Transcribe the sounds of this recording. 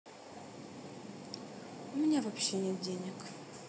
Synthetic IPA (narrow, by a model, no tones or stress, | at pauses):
ʊmʲɪnʲavɐpɕːenʲet̪̚dʲenʲɪk